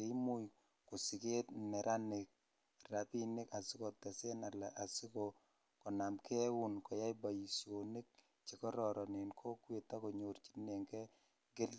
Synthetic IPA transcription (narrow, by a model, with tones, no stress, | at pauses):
e˦mu˦j | ko˨si˨ke˦tmɛ˨ɾʔa˦ne˨k̚ | ra˨pi˦ni˦ka˨si˦ko˨tɛ˨se˦na˨la˨ʔa˨si˦ko | kɔ˨na˨mkɛ˦wu˨nkɔ˨ja˦jba˨ji˨so˨ni˦k̚ | t͡ʃe˨kɔ˦ɾɔ˨ɾʔɔ˨ne˨nkʰo˦kwe˨ta˦ko˨ɲo˨rt͡ʃi̥˦ne˨ŋkɛ˦ | ɡɪ˦l